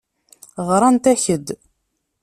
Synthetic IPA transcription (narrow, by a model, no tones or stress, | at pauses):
ʁɾˤɑnt̪æçəd̪